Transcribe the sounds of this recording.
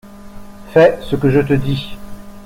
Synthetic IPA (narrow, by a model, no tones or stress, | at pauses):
fɛsəkəʒət̪əd̪i